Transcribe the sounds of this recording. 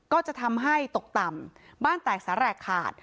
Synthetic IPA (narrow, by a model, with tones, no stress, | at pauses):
kɔː˥˩t͡ɕa˨˩t̪ʰa˧mɦa˥˩jt̪o˨˩k̚t̪a˨˩mbaː˥˩nt̪ɛː˨˩k̚saː˩˦ɾɛː˨˩kʰa̰ː˨˩t̪̚